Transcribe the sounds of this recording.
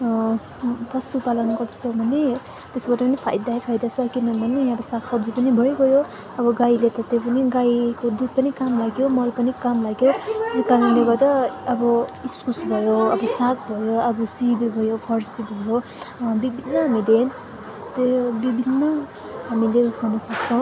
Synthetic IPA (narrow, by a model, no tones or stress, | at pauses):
pʌst̪upalʌnɡʌɾd̪ʌsʰobʱʌne | t̪esbaʈʌpʌnipʰa̰jd̪aipʰajd̪at͡sʰʌkinʌnbʱʌneʌbʌsaksʌbd͡zipʌnibʱʌjɡʌjo | ʌbʌɡailet̪ʌt̪epʌniɡaikod̪ud̪̚pʌnikamlaɡjomʌlpʌnikamlaɡjot̪skaɾunleɡʌrd̪ʌːbʌiskusbʱʌjoʌbʌsak̚bʱʌjoʌbʌsibibʱʌjopʰʌrsibʱʌjobibʱinːʌɦamiden | t̪ebibʱinːʌ | ɦamileusɡʱʌrnʌsʌk̚t͡sʰʌ̃w̃